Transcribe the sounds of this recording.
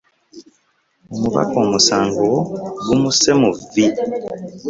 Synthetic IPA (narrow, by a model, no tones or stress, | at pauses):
omuβa̰ko̞ːmusaːŋɡowɡumuse̞muvi